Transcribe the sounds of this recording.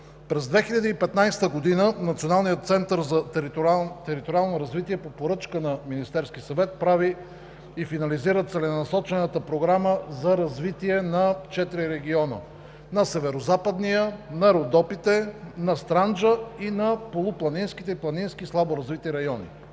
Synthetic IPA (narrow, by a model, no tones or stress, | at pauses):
pɾɛzd̪vɛxiʎʲɐd̪iːpɛt̪najst̪əɡod̪inənɐt̪sionalˠnijət̪̚t̪sɛnt̪əɾzɐ | t̪ɛɾit̪oɾialˠnoɾɐzvit̪iɛpopoɾɤt͡ʃkənɐminist̪ɛɾsk̟ʲisɐvɛt̪̚pɾavi | ifinɐliziɾət̪sɛlɛnɐsɔt͡ʃɛnət̪əpɾoɡɾaməzɐɾɐzvit̪iɛnɐt͡ʃɛt̪ɾiɾɛɡ̟iɔnə̰ | nɐsɛvɛɾozapəd̪nijənɐɛɾod̪ɔpit̪ɛnɐst̪ɾand͡ʒəinɐpolˠʊplˠɐninskit̪ɛiplˠɐninskʲislˠaboɾɐzvit̪iɾɐjɔnḭ